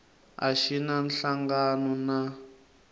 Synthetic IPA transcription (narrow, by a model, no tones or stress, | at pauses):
a̰ʃinanɬaŋɡanɔna